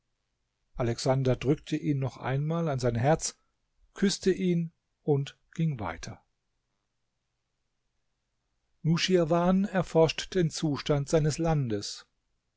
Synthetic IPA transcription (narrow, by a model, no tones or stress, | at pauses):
ʔalɛksandɐdʁʏk̚tʰəʔiːnːɔχʔa̰ɪnmaːlanzaɪnɦɛɐt͡s | kʰʏstəʔiːn | ʔʊnt | ɡ̥ɪŋva̰ɪtʰɐ | nuʃiavaːnɛɐfɔɐʃtd̥eːnt͡suːʃtantz̥aɪnəslandəs